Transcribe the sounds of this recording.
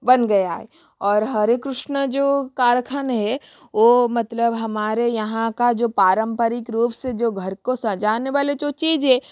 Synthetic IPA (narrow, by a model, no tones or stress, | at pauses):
bɐnɡɐjaɦɛ̰ | ɔːɾɦɐɾekɾʊʃnəd͡ʒoːkaːɾkʰənɦɛ | ʋoːmɐt̪ləbɦɐmaːɾejɐɦãkad͡ʒoːpaːɾə̃mpəɾɪkɾuːpsed͡ʒoːɡʱɐɾkosɐ̃d͡ʒaːneʋaːled͡ʒot͡ʃiːd͡ʒɦɛ̃